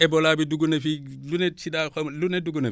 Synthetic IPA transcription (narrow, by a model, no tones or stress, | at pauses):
ʔɛbɔlaːbiduɡunɛfi | lunɛsidakɔmlunɛduɡunɛ